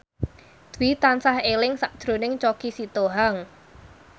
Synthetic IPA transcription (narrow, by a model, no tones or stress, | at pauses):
d̪̥wit̪ansahelɪŋsaʔd̥ʒ̥ɾo̤nɪŋt͡ʃokisit̪oɦaŋ